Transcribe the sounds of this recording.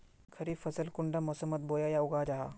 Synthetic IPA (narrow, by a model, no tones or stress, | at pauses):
kʰɐɾiːfɐsəlkʊɳɖamɔsəmːət̪̚boːjajaʊɡad͡ʒaɦa̰ː